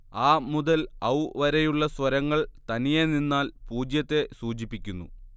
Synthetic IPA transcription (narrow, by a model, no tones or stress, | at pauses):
aːmuðɐlɐwʋɐɾejuɭːɐswɐɾɐŋːɐɭt̪ɐnijeninːaːlpuːd͡ʑjɐt̪ːe̞suːt͡ɕipːikʲːunːṵ